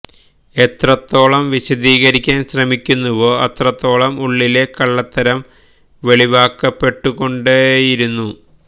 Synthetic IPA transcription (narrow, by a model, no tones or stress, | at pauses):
e̞t̪rɐt̪ːo̞ːɭɐmʋiɕɐd̪iːɣɐɾikʲːaːnɕrɐmikʲːunːuʋoːɐt̪rɐt̪ːo̞ːɭɐmuɭːile̞kɐɭːɐt̪ːɐɾɐm | ʋe̞ɭiʋaːkːɐpːe̞ʈːuɣo̞ɳɖɨjiɾunːu